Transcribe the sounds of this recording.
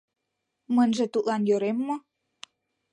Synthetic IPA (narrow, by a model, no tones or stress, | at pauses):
mənʒĕt̪ut̪lɑnjøɾemːə̆